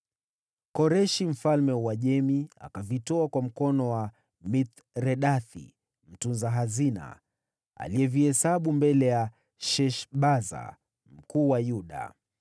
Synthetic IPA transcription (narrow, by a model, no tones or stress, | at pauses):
kɔɾɛʃim̩falmɛwaʄɛmia̰kavitɔakwam̩kɔnɔwa | mit̪ | ɾɛɗaθḭ | m̩tunzaɦazina̰ | a̰liɛviɛsaɓumbɛlɛja | ʃɛʃɓaza̰ | m̩kuːwajuɗa̰